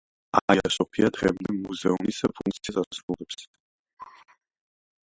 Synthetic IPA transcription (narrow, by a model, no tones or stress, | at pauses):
aiasɔpʰiad̪ʁɛmd̪ɛmuzɛunisɛpʰuŋk̪sasasɾulˠɛps